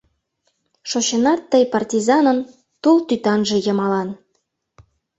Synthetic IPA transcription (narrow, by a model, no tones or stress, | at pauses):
ʃoɕə̆nɑt̪ːəjpɑrtʲizɑnə̆n | t̪ulˠt̪yt̪ɑnʒĕjɤ̆mɑlɑn